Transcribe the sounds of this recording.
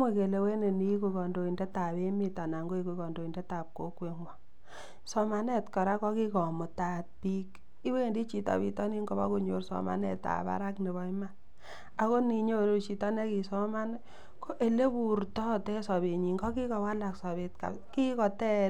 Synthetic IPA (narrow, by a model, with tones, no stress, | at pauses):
mwe˦ke˨le˨we˦ne˨ni˦ku˨kɔ˨ndo˨i˨nde˦ta˨be˦mi˦ta˨na˨ŋɡo˦i˨ku˨kɔ˨ndo˨i˨nde˦ta˨p̚ko̰˦kwe˨ŋwɔ˨ | sɔ˨ma˨ne˦tkɔ˨ɾa˦kɔ˦ki˦kɔ˨mʊ˨ta˨t̚pi˦k | i˦we˦˨ndi˦t͡ʃi˨ta̰˨bḭ˨tɔ˦ni˦ŋɡo˦ba̰˦ku˦ɲo̰˨ɾsɔ̰˨ma̰˨nɛ̰˨ta̰˨pa̰˦ɾa˦kne˨βɔ˦i˦ma˦ | a˦ko˦ni˨ɲo˦ɾo˦t͡ʃi˨tɔ˦ne˦ki˨sɔ˦ma˦n˦ | ko˦ʔe˨le˦bu˨ɾtɔ˦tɛ˦sɔ˨βe˨ɲi˨ŋɡɔ˦ki˦kɔ˨wa˦la˨ksɔ˨βe˨tka̰˨ | ki˦kɔ˨tɛ˦